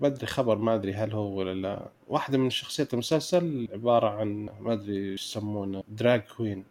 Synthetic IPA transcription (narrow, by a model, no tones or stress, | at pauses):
bad̪ɾixabɑɾˤmaʔad̪ɾiɦalhuwɪlːala̰ | waːħd̪amɪnʃːɑxsˤɨjːat̪mʊsalsalʕɪbɑːɾˤɑʕanmaʔad̪ɾijsamːuːnd̪ɾaːɡkwiːn